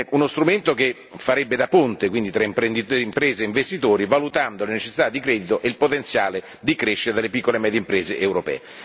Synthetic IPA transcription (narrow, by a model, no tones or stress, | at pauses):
unost̪ɾument̪ok̟e | fːaɾɛbːed̪apont̪ekwind̪it̪ɾaimpɾend̪it̪oimpɾeːzeiɱvest̪it̪oːɾivalut̪and̪olenet͡ʃe̥sːi̥t̪ad̪ːikɾɛːd̪it̪oʔelpot̪ent̪sjaːle | d̪ikɾeʃːeɾed̪alːepikːolemɛːd̪jempɾeːzeʔewɾopɛ̰ː